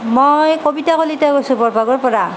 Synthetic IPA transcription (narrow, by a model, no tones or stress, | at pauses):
mojkobitakolitakojsʊ̃bɔɹbʱaɡɔɹpɔɹa